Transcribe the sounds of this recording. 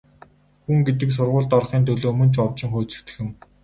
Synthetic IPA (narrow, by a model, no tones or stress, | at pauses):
xuŋɡet̪ɘ̆ks̬ʊrʁʊːɮt̪ɔrχiːnt̪ʰɵɮoːmɵ̆nt͡ɕɔwt͡ɕɪ̆ŋχoːt͡sɘ̆kt̪ɘ̥̆xɘ̆m